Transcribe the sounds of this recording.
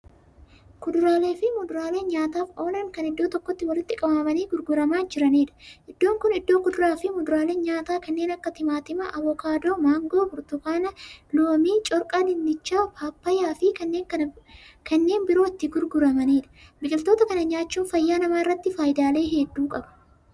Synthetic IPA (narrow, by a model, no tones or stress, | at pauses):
kʊd̪ʊɾaːle̞ːfɪmʊd̪ʊɾaːle̞ːnɲaːt̪aːfo̞ːnɐŋkɐnɪd̪ːo̞ːt̪ɔkːɔt̪ːɪwɐlɪt̪ːɪkʼɐbɐmɐniːɡʊɾɡʊɾɐmaːnd͡ʒɪɾɐneːᶑɐʔɪd̪ːo̞ːŋkʊnɪd̪ːo̞ːkʊd̪ʊɾaːfɪmʊd̪ʊɾaːle̞ːnɲaːt̪aːkɐnːe̞ːnɐkːɐt̪ɪmaːt̪ɪmɐʔɐbɔkaːd̪o̞ːmaːŋɡoːbʊɾt̪ʊkaːnɐloːmiːt͡ʃʼɔɾkʼaːlɪnd̪ɪt͡ʃːaːpʰaːpːɐjaːfɪkɐnːeːŋkɐkɐnːe̞ːnbɪɾoːɪt̪ːɪɡʊɾɡʊɾɐmɐneːᶑɐ̥bɪkʼɪlt̪oːt̪ɐkɐnɐɲaːt͡ʃːuːnfɐjːaːnɐmaːɪrːɐt̪ːɪfaːjɪd̪aːle̞ːɦed̪ːuːkʼɐb̥ɐ̥